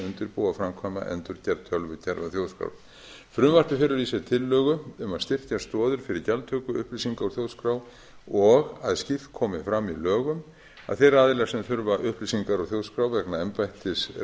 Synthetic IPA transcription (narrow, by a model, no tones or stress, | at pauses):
ʏnt̪ɪɾpoːwafɾamkʰvama̰ʔɛ̰nt̪ʏɾcɛɾt̪ʰœlvʏcʰɛɾvaθjowðskɾa̰w | fɾʏmvar̥p̪ɪfɪɾʏɾisɛt̪ʰɪlːœːɣʏʏmaðst̪ɪft̪jast̪ɔːðʏɾ̥fɪɾɪɾcalt̪ʰœːkʏʏhplisiŋkaɔɣθjowðskɾaw | ɔɣaðscɪft̪kʰɔːmɪfɾamːilœːɣʏm | a̰ðθɛɾaːðɪlɛːɣsɛmθʏɾvaʔʏhplisiŋkaɾɔɣθjowðskɾawvɛknaɛmpajht̪ɪs